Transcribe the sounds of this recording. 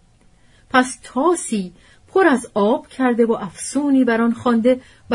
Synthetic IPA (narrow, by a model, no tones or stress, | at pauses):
pʰæst̪ʰɒːsiː | pʰo̞ɾæzɒːb̥cʰæɾd̪e̞voʔæfsuːniːbæɾɒnχɒːnd̪e̞ | v